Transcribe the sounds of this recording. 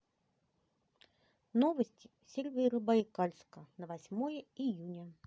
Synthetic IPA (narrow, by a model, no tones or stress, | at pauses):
novəsʲtʲɪ | sʲelʲvʲijɾɨbaikalʲskənəvasʲmojəijunʲə